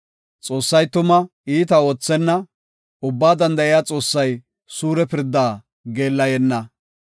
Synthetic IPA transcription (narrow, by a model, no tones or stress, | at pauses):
t͡sʼo̞ːsːɐjt̪ʊmɐ | iːt̪ɐo̞ːt͡sːɛnːɐ | ʊbːaːd̪ɐnd̪ɐʔɪjaːt͡sʼo̞ːsːɐj | suːɾɛpɪɾd̪ːaː | ɡe̞ːlːɐjɛnːɐ